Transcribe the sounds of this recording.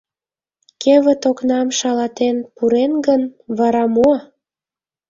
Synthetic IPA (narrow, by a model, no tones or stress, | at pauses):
keβə̆t̪oknɑmʃɑlɑt̪enpuɾenɡənβɑɾɑmo